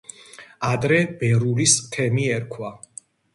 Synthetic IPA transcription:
ad̪ɾɛb̥ɛɾuliskʰɛmiɛɾkʰwa

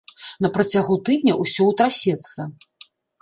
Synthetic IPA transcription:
nɐpɾɐt͡sʲaɣut̪ɨd̪̚ʲnʲɐʔusʲɔwt̪ɾasʲɛt̪sːɐ

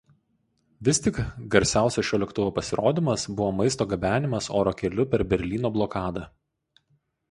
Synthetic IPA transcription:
ʋʲɪsʲt̪ʲɪkɡɐɾʲsʲæˑʊsʲɛʃʲoːlʲɛkt̪ʊʋoːpɐsʲɪɾoːd̪ʲɪmɐsbʊʋoːmɐɪst̪oːɡɐbʲæːnʲɪmɐso̰ːɾoːkʲɛlʲʊpʲɛɾbʲɛɾʲlʲiːnoːblˠɔkɑːd̪ɐ

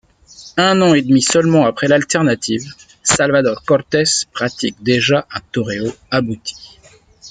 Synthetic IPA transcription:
ɛ̃nɑ̃ed̪misœlmɑ̃apχɛlalt̪ɛʁnat̪ʰiv | salvad̪ɔʁkɔʁt̪ɛspχat̪ik̚d̪eʒaʔɛ̃t̪ɔʁeoabut̪ʰi̥

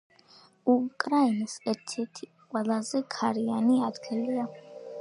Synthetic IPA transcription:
ukʼɾainsɛɾt̪ʰɛɾt̪ʰiqʼwɛlˠazɛkʰaɾianiad̪ɡʰɛlia

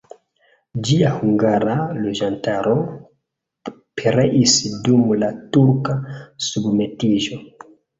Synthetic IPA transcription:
d͡ʒiahuŋɡaɾalod͡ʒantaɾo̞ | pʰeɾeʔisdumlatuɾkasubme̞tiʒo̞

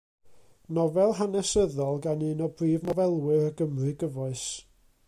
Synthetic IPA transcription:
nɔvɛlˠɦanɛsəðɔlˠɡanɨːnɔbriːvnɔvɛlˠwɪɾəɡəmrɨɡəvɔɨs

